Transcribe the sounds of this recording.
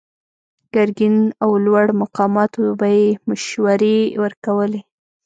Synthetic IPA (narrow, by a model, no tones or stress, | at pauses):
ɡ̥aɾɡinawlwaɽmaqɑmɑt̪obajemaʃwaɾewəɾkawəle